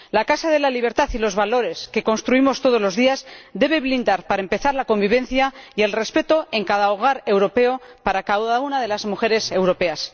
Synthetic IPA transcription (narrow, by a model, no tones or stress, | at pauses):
lakasað̞e̞laliβ̞e̞ɾt̪aθilo̞zβalo̞ɾe̞skeko̞nst̪ɾuimo̞st̪o̞ð̞o̞lo̞zðiazd̪e̞βe̞βlind̪aɾpaɾaempe̞θaɾlako̞mbiβ̞e̞nθjaie̞lre̞spe̞t̪o̞e̞ŋkaðaoɣ̞aɾe̞wɾo̞pe̞o̞ | paɾakaðaunaðe̞lazmuxe̞ɾe̞se̞wɾo̞pe̞as